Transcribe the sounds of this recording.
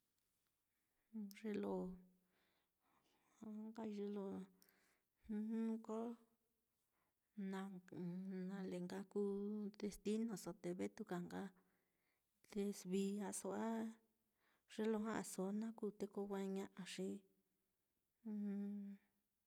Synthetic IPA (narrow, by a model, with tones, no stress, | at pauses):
ʐe˦lo˧˨ | ha˧˦ŋɡa˦˧ʒe˧lo˧ | u˦ũ˦ko˦ | nã˧ | nã˧le˨ŋɡa˦ku˦d̪e˧st̪i˦nõ˧˨so˨t̪e˨βe˦t̪u˧ka˨ŋɡa˦ | t̪e˧sβi˧a˧so˧ʔa˦ | ʐ̥e˦lo˧ɦã˦ʔa˧˨so˨˦nã˦ku˦˨t̪e˦ko˧wʷa˦˧ɲã˦˧ʔa˧ʂi˦